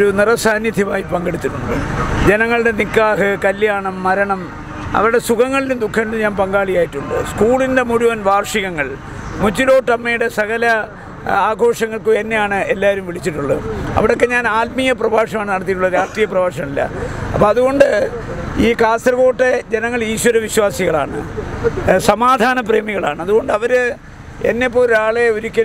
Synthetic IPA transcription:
ɾunirɐsaːnjɐd̪ʱjɐmaːjipɐŋɡeɽit̪ːunːuɳɖɨ̰d͡ʑe̞nɐŋːɐɭɽe̞nikːaːɦɨkɐljaːɳɐmːɐɾɐɳɐm | ɐ̰ʋɐɾuɽe̞suɣɐŋːɐɭilumd̪ukʰːɐniluɲaːnpɐŋɡaːɭijaːjiʈːuɳɖɨ̰skuːɭinde̞muɽuʋɐnʋaːrʂiɣɐŋːɐɭ | mut͡ɕːilo̞ːʈːɐmːɐjuɽe̞sɐɣɐlɐ | aːɡʱo̞ːʂɐŋːɐɭkɨenːe̞jaːɳɨelːaːɾumʋiɭit͡ɕːiʈːuɭːɐɐ̰ʋiɽo̞kːe̞ɲaːnaːt̪̚mijɐprɐbaːʂɐmaːɳɨnɐɽɐt̪̬ːiʈ̬ːuɭːɐɾaːʂtriːjɐprɐbaːʂɐmilːɐ̰ɐpːoːðuɣo̞ɳɖɨiːkaːst̪rɐɣo̞ːʈːed͡ʑenɐŋːɐɭiːɕwɐɾɐʋiɕwaːsiɣɐɭa̰ːɳɨ̰ | sɐmaːd̪ʱaːnɐp̬re̞ːmiɣɐɭaːɳɨɐðuɣo̞ɳɖɨɐʋɐɾɨ | ḛnːepːo̞ːɾaːɭe̞oɾukʲːɐ

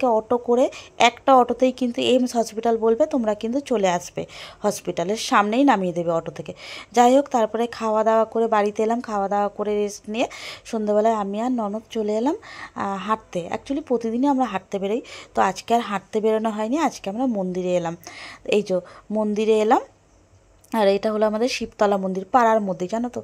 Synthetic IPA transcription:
keɔʈokoɾeɛkʈaɔʈot̪ejkint̪uemsɦɔspiʈalbolbet̪omɾakint̪ut͡ɕoleaʃbḛhɔspiʈaleɾʃamnejnamied̪ebeɔʈot̪ʰeked͡ʑajɦokt̪aɾpɔɾekʰawad̪aoakoɾebaɽit̪eelamkʰaoad̪aoakoɾeɾesʈnijeʃond̪eβɛlaeamianɔnot̪t͡ɕoleelamɦaʈ̚t̪eɛ̰k̚t͡ɕualipɾot̪id̪ineamɾaɦaʈ̚t̪ebeɾejt̪oad͡ʑkeaɾɦaʈ̚t̪ebeɾonoɦɔeniad͡ʑkeamɾamond̪iɾeelamejd͡ʑomond̪iɾeelam | aɾejʈaɦoloamad̪eɾʃipt̪ɔlamond̪iɾpaɾaɾmod̪ʱːed͡ʑanot̪o

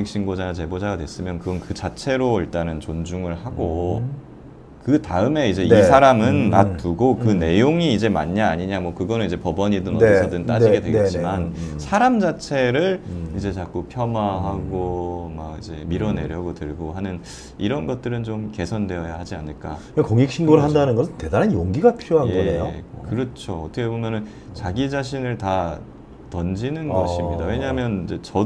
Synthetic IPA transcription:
ek̚ɕ͈ʰinɡod͡ʑanat͡ɕe̞bod͡ʑaɡadwe̞s͈ɯmjʌnkɯɡʌnkɯt͡ɕat͡ɕʰe̞ɾoiɭt͈anɯnt͡ɕond͡ʑuŋɯɭhaɡo | kɯtaɯme̞id͡ʑe̞isʰaɾamɯnːat͈uɡokɯne̞joŋiːd͡ʑe̞ma̰ɲːaːɲiɲamwʌkɯɡʌnɯnid͡ʑe̞pʌbʌɲidonʌsʰʌdɯnt͈aiɡedweɡet͡ɕ͈imansʰaɾamd͡ʑat͡ɕʰe̞ɾɯɭid͡ʑe̞t͡ɕak͈opʰjʌmwaɦaɡomaɡid͡ʑe̞miɾʌne̞̰ɾjʌɡotɯɭɡoɦanɯn | iɾʌnɡʌt̚t͈ɯɾɯnt͡ɕomke̞sʰʌnde̞ʌjahad͡ʑianɯɭk͈a̰kakoŋik̚ɕʰinɡoɾɯɭɦandanɯnɡʌsʰɯnte̞daɾɦenjoŋɡiɡapʰiɾjoɦanjɡʌejokɯɾʌt͡ɕʰoʌtʰʌkʰe̞bomjʌnɯn | t͡ɕaɡid͡ʑaɕ̬ʰinɯɭta | tʌnd͡ʑinɯnɡʌɕʰimɲidawe̞ɲaɦamjʌnid͡ʑe̞t͡ɕʌ

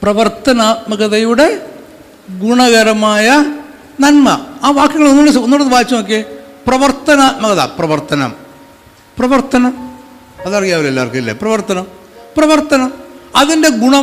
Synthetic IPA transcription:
prɐʋɐrt̪ɐnaːt̪̚mɐɣɐðɐjuɽe̞ | ɡuɳɐɣɐɾɐmaːjɐ | nɐnmɐaːʋaːkjɐŋːɐɭonːuɭːesonːuːɽeðɨbaːit͡ɕːɐmok̬ːeprɐʋɐrt̪ɐnaːt̪̚mɐɣɐða̰ːprɐʋɐrt̪ɐnɐ̰m | prɐʋɐrt̪ɐnɐm | ɐðɐrijjaːʋɐlelːaːrkːɐilːḛprɐʋɐrt̪ɐnɐm | prɐʋɐrt̪ɐnɐmɐðinde̞ɡuɳɐ

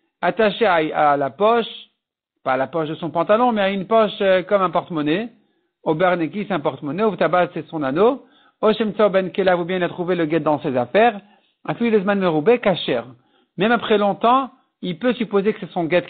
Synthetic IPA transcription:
at̪aʃeaalapɔʃ | paːlapɔʃd̪əsɔ̃pɑ̃t̪alɔ̃mɛaynpɔʃøkɔmɛ̃pɔʁt̪mɔne | obɛʁnekisɛɛ̃pɔʁt̪mɔneut̪abasɛsɔ̃nano | ɔʃɛmt̪saobɛnkelavubjɛ̃ilat̪χuveləɡɛt̪̚d̪ɑ̃sezafɛʁ | ɛ̃filid̪əs̬manmeʁubɛkaʃɛ̰ʁ | mɛmapχɛlɔ̃t̪ɑ̃ | ilpøsypozekə̥sɛsɔ̃ɡɛt̪

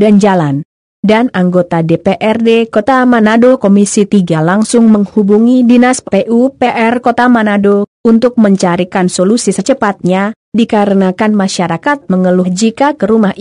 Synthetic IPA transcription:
dand͡ʒalan | danaŋɡot̪adepeʔɛrdekot̪amanadokomisit̪iɡalaŋsʊŋməŋhubuŋidinasppeʔupeʔɛrkot̪amanadount̪ʊk̚məɲt͡ʃaɾikansolusisət͡ʃəpat̪̚ɲa | dikaɾənakanmaʃaɾakat̪̚məŋəluhd͡ʒikakəɾumah

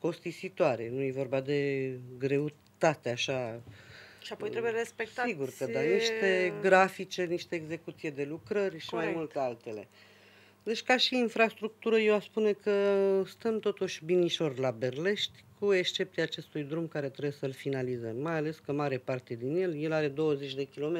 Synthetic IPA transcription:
ko̞st̪isit̪oaɾe̞̰nuje̞vo̞rbad̪e̞ɡɾe̞u | t̪at̪eaʃa | ʃiapojt̪ɾebujeɾespek̚tsaiɡurkəaniʃt̪e̞ɡɾafit͡ʃe̞niʃt̪eːɡze̞kut̪sijed̪e̞lukɾərʲʃimajmult̪ealt̪e̞le̞̰ | d̪e̞t͡ʃkaʃiːnfɾast̪ɾuk̚t̪uɾəjewaspune̞kəst̪əmt̪o̞t̪uʃʲbiniʃo̞rʲlabe̞rle̞ʃt̪ʲkue̞kst͡ʃe̞pt̪iaːt͡ʃe̞st̪ujd̪ɾumkaɾe̞t̪ɾebujesəlfinalizəmːajale̞skəmaɾe̞part̪e̞d̪inje̞lje̞laɾe̞d̪o̞wəze̞t͡ʃʲd̪e̞kʲilo̞me

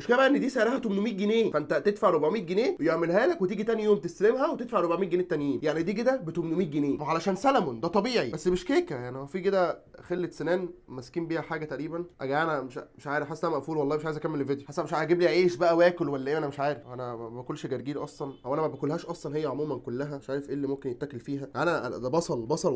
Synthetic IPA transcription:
meʃkæbæʔenːed̪iːsæʕɾˤæhæt̪omnomiːt̪̚ɡeneːfæʔent̪æt̪ed̪faʕɾobʕmiːt̪̚ɡeneːwejeʕmelhæːlækwet̪iːɡit̪ænjjoːmt̪est̪ælemɦæwet̪ed̪faʕɾobʕmiːt̪̚ɡeneːt̪ːænjiːnjaʕnid̪iːɡed̪æbet̪omnomiːt̪̚ɡeneːwæʕalæʃæːnsælæmond̪æt̪ˤɑbiːʕibæsːmeʃkeːkæjaʕnihowfiːked̪æxelːet̪senæːnmæskiːmbiːhæħaːɡæt̪æʔɾiːbænʔæɡæʔænæmeʃmeʃʕaːɾefħasːʔænæmæʔfuːlwɑlˤːɑːmeʃʕajezʔækæmːellved̪joħasːʔæmeʃʔæɡiːbliʕeːʃbæʔæwæːkolwælːæʔeːʔænæmeʃʕaːɾefʔænæbækolːʃɡæɾɡiːnʔɑsˤlɑnʔæwʔænæmæbækolːhæːʃʔɑsˤlɑnhejːæʕomuːmænkolːæɦæmeʃʕaːɾefʔeːlːimomkenjet̪ːækelfiːɦæʔænæʔd̪æbɑsˤɑlbɑsˤɑl

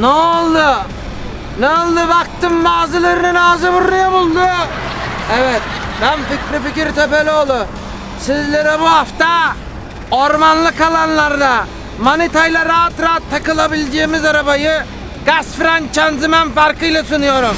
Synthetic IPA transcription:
neolˠd̪ɯ | neolˠd̪ɯbak̚t̪ɯmːaːzɯlʲˠeɾinɪnaːzɯbuɾlujabulˠd̪ʊ | evɛt̪̚bænfikʲɾifikiɾt̪ʰøpelʲio̞lˠʊ | sizlʲeɾɛbuɦaft̪a | oɾmanlˠɯkʰalˠanlˠaɾd̪a | manit̪ajlʲˠaɾaɦat̪ɾaːat̪ʰːakɯlˠabilʲd͡ʒemizaɾabajɯ | ɡasfɾant͡ʃʰanzimænfaɾkɯjlˠasunujo̞ɾum

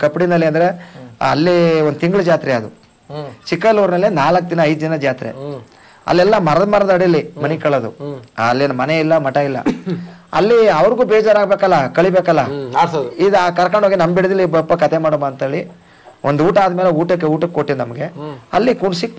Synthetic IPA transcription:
kɐpːiɽinɐlːiɐnd̪ɐɾe̞ɐ̰lːionut̪iŋɡɭɐd͡ʒaːt̪ɾɛɐd̪u | t͡ʃikːɐluːɾnɐlːinaːlɐkːd̪inɐɐjd̪ud̪inɐd͡ʒaːt̪ɾḛ | ɐ̰lːɛlːɐmɐɾɐd̪ɐmɐɾɐd̪ɐɽilːimɐnikɐɭɐd̪uɐlːeːnɐmɐneilːɐmɐʈɐilːɐ̰ɐ̰lːiɐʋɐɾɡuːbɛːd͡ʒaːɾaːɡbeːkɐlːɐkɐɭibeːkɐlːɐ | id̪aːkɐɾɐkɐɳoːɡinɐmbiɽɐd̪ɐlːibɐpːɐkɐt̪ʰemaːɽomɐːnt̪eːɭi | ʔond̪uuːʈaːd̪meːleuːʈɐk̬ːeuːʈɐkːeoʈːinɐmɐɡe̞ɐlːikuɳsik

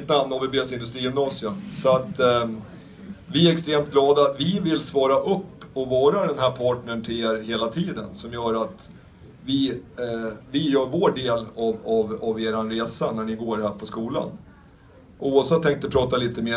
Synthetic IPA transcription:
t̪ːəanːavɪbeːsɪnd̪ɵst̪ɾiːjɵmnɑːsɪəmsɔat̪ | vɪæɾɛkst̪ɾeːmt̪̚ɡlɑːd̪at̪vɪvɪlsvɑːɾaʔɵpːɔvɑːɾad̪ɛnɦæɾpʰɑːʈɳəɳʈ̪ʰɪleːɾheːlat̪ʰiːd̪ənsɔmjœːɾat̪ | vɪ | vɪjœːɾvoːɖeːlavavaveːɾanɾeːsanæɳɪɡoːɾhæːɾpʰɔskuːla̰n | ʔuːavsɛt̪ʰːɛŋk̚t̪əpʰɾɑːt̪aliːt̪əmeː

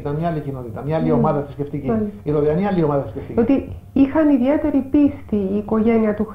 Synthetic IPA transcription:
it̪ɐnmɲɐɐlicino̞t̪it̪ɐmɲɐɐlio̞mɐðɐsisceft̪iciɐiɾoðiɐnɐalio̞mɐðɐsi̥skeft̪iot̪i | ixɐniðie̞t̪e̞ɾipist̪iːko̞ʝe̞niɐt̪ux

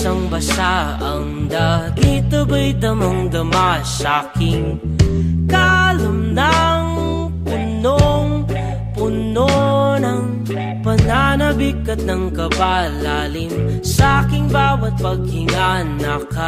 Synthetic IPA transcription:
sɐŋbɐsaʔɐŋd̪aɡit̪ɐbajt̪ɐmɐŋd̪ɐmasakɪŋ | kalɐmnaŋ | pʊnoŋ | pʊnonɐŋ | pɐnanɐbikːɐt̪̚nɐŋkɐbalaːlɪnsɐakɪŋbaːwɐt̪̚pɐɡ̚hɪŋanːaka

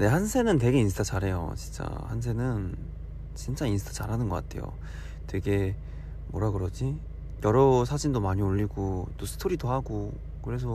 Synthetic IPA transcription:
ne̞hansʰe̞nɯntwe̞ɡe̞insʰtʰat͡ɕaɾɦe̞jo̰t͡ɕint͡ɕ͈a̰hans̬ʰe̞nɯn | t͡ɕint͡ɕ͈ainsʰɯ̥tʰat͡ɕaɾɦanɯnɡʌk͈atʰe̞jo̰ | twe̞ɡe̞ | mwʌɾaɡɯɾʌd͡ʑi | jʌɾʌs̬ʰad͡ʑindomaɲioʎːiɡot͈osʰɯ̥tʰoɾidohaɡo | kɯɾe̞s̬ʰʌ

